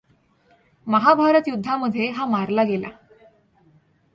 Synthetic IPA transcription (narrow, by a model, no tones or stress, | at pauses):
məɦabʱaɾət̪jud̪ʱːaməd̪ʱːjeɦamaɾlaɡela̰